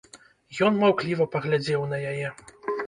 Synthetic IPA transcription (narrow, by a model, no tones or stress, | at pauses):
jɔnmawklʲivɐpɐɣlʲad͡zʲɛwnɐjajɛ